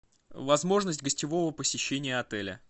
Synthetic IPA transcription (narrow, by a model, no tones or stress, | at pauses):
vɐzmo̞ʐnəsʲtʲɡəsʲtʲɪvo̞vəpəsʲɪɕːenʲɪjəɐt̪ɛlʲə̰